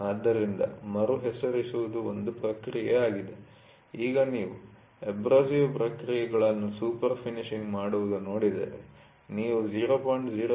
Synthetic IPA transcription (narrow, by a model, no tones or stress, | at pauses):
aːd̪ːɐɾind̪ɐ̰mɐɾuɦɛsɐɾisuʋud̪uond̪upɾɐkɾijɛaːɡid̪e | iːɡɐniːʋu | ebɾaːsiʋpɾɐkɾijɛɡɐɭɐnːusuːpɐɾpʰiniʃiŋɡmaːɽuʋud̪uno̞ːɽid̪ḛːɾe | niːʋud͡ʒiːɾoːpojɳʈd͡ʒiːɾo